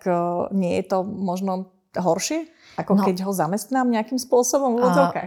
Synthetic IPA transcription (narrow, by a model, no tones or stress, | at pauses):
kɲɪɛjɛt̪ɔmɔʒnɔ | ɦɔɾʃɪɛ | ʔakɔkkɛɟɦɔzamɛst̪naːmɲɛakiːmspʊɔsɔbɔmuʋɔd͡zɔʊka̰ːx